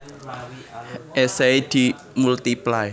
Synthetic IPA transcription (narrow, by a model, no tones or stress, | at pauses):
ʔɛsejd̪̥i | mult̪iplaj